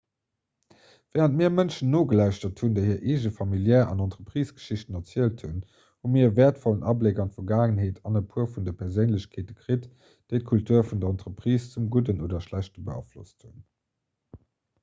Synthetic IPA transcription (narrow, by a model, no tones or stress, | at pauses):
vɛːʁəntmiːɐmənʃənːoːɡəlæɪʃtɐthundəɪɦiːɐʔeːʒəfɑmiljɛːɑ̰nɑntʁəpʁ̥iːsɡ̥ə̥ʃiɕtənɑt͡siəlthun | humiːɐəvɛːɐtfɔlənʔɑblekɑntfɐɡaːŋənɦeːtʰɑnəpʰuɐfundəpʰɛɐzeɪnləɕkʰeːt̚əkʁit | d̥əɪt̚kʰultʰuːɐfundɐɑntʁəpʁ̥iːst͡sumɡudənʔoːdɐʃlæɕtəbəɑ̰flo̰sthun